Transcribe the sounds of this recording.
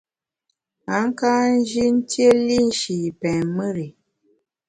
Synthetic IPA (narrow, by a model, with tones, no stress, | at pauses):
a˨˦ŋ˦ka˦n̩˦d͡ʒi˦n̩˦tje˦li˦n˦ʃi˨pɛ˨nmə˦ɾi˨